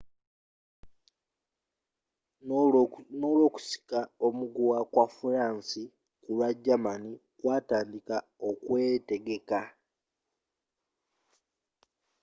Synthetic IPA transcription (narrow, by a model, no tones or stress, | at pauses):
noːlwo̞ːku̥si̥kao̞muɡuwakwafuɾaːnsi | kulwaɟːamani | kwaːtaːndikao̞kwe̞te̞ɡe̞ka